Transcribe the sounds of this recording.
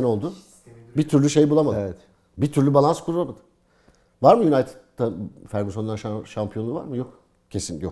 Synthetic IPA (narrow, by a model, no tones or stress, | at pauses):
no̞lˠd̪ʊ | bit̪ʰyɾlʲyʃe̞jbulˠamad̪ɛt̪ | bit̪ʰyɾlʲybalˠanskʰuɾulˠamad̪ɯ̥ | vaɾmɯjunajt̪ʰɛ̥t̪ʰːafæɾɡysonˠaɾʃampʰijo̞nːˠuva̰ɾmɯjo̞k | cʰe̞sinjo